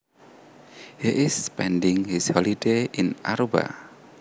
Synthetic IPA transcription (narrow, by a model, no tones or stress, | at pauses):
hiʔɪspɛndɪ̃ŋhishɔlideʔɪna̰ɾoba̰